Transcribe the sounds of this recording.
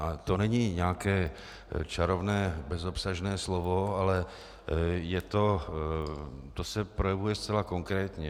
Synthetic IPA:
at̪onɛɲiːɲaːkɛː | t͡ʃaɾovnɛːbɛzo̞psaʒnɛːslo̞voalɛ | jɛt̪o̞ | t̪osɛpɾojɛvujɛst͡sɛlako̞ŋkɾɛːt̪ɲɛ

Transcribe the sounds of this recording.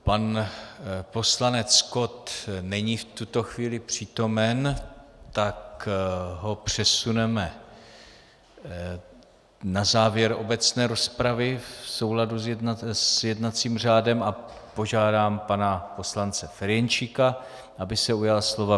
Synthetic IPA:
pan | po̞slanɛt͡sko̞t̪nɛɲiːft̪ut̪o̞xviːlɪpr̝̥iːt̪o̞mɛnt̪ak | ɦo̞pr̝̥ɛsunɛmɛ | nazaːvjɛɾo̞̰bɛt͡snɛːɾo̞spɾavɪfso̞wladuzjasjɛdnat͡siːmr̝aːdɛmapo̞ʒaːdaːmpanapo̞slant͡sɛfɛɾjɛnt͡ʃika | ʔabɪsɛujalslo̞va

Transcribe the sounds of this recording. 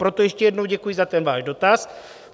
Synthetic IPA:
pɾot̪ojɛʃcɛjɛdnowɟɛkujɪzat̪ɛnvaːʒdo̞t̪as

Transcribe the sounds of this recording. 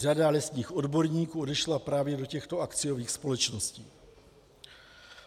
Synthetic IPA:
radalɛst̪ɲiːxʔo̞dbo̞ɾɲiːkuːo̞dɛʃlapɾaːvjɛdo̞cɛxt̪o̞akt͡sɪjo̞viːxspo̞lɛt͡ʃnosciː

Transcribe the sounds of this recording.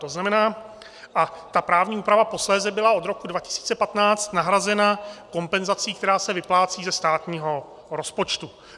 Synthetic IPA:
t̪o̞znamɛnaː | ʔat̪apɾaːvɲiːuːpɾavapo̞slɛːzɛbɪlaʔo̞d̪ɾo̞kudvacɪ̥si̥ːt͡sɛpat̪naːt͡st̪naɦɾazɛnako̞mpɛnzat͡siːkt̪ɛɾaːsɛvɪplaːt͡siːzɛst̪aːt̪ɲiːɦo̞ | ɾo̞spo̞t͡ʃt̪u

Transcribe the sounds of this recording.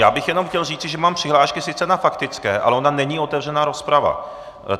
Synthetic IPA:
jaːbɪxjɛno̞mxcɛlriːt͡sɪʒɛmaːmpr̥ɪɦlaːʃkɪsɪt͡sɛnafakt̪ɪt͡skɛːʔa̰lɛʔo̞nanɛɲiːo̞t̪ɛvr̝ɛnaːɾo̞spɾava̰

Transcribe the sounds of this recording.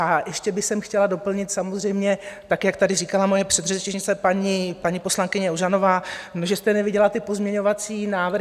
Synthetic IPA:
ajɛʃcɛbɪxsɛmxcɛlado̞pl̩ɲɪt̪samozr̝ɛjmɲɛt̪akjakt̪adɪriːkalamojɛpr̝̥ɛd̪rɛt͡ʃɪʒɲɪt͡sɛpaɲipaɲipo̞slaŋkɪɲɛoʒano̞vaːnoʒɛst̪ɛnɛvɪɟɛlat̪ɪpo̞zmɲɛɲo̞vat͡siːnaːvr

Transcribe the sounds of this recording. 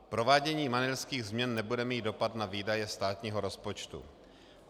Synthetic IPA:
pɾo̞vaːɟɛɲiːmanɛlskiːɣzmɲɛnːɛbudɛmiːt̪̚do̞pat̪naviːdajɛst̪aːt̪ɲiːɦoɾo̞spot͡ʃt̪ṵ

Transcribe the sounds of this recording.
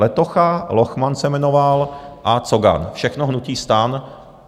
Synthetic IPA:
ɛt̪oxaloxmansɛmɛnovalʔat͡soɡa̰nfʃɛxnoɦnuciːst̪aːn

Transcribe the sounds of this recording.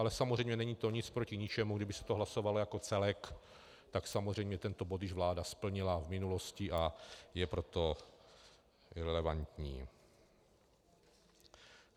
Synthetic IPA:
ʔalɛsamozrɛjmɲɛnɛɲiːt̪o̞ɲɪt͡spɾocɪɲɪt͡ʃɛmuɡdɪbɪsɛ̥t̪oɦlaso̞valojako̞t͡sɛlɛk | t̪aksamozr̝ɛjmɲɛt̪ɛnt̪o̞bo̞t̪jɪʒvlaːdaspl̩ɲɪlavmɪnulo̞scɪʔajɛpɾo̞t̪o̞ | ɾɛlɛvant̪ɲiː

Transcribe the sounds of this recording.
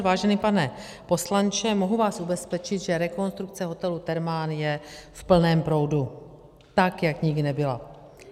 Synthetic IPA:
vaːʒɛnipanɛ | po̞slant͡ʃɛmoɦuvaːsʔubɛspɛt͡ʃɪt̪ʒɛɾɛko̞nst̪ɾuk̚t͡sɛɦo̞t̪ɛlut̪ɛɾmaːnjɛfpl̩nɛːmpɾo̞wdu | t̪akjakɲɪɡdɪnɛbɪla

